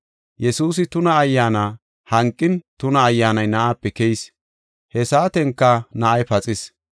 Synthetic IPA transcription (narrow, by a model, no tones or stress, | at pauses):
jɛsuːs̬ɪt̪ʊnɐːjːaːnaː | hɐŋkʼːɪnt̪ʊnɐːjːaːnɐjnɐʔaːpːɛkɛjs | hɛsaːt̪ɛŋkːɐnɐʔɐjpɐt͡sʼɪs